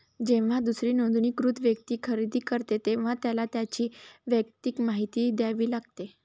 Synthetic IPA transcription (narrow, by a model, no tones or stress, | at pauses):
d͡ʑeʋ̤ad̪usɾiːnod̪uniːkɾut̪ʰʋjək̚t̪iːkʰəɾid̪iːkəɾt̪et̪eʋ̤at̪jalat̪jat͡ɕiːʋjək̚t̪ikmaɦit̪iːd̪jaʋiːlaɡt̪e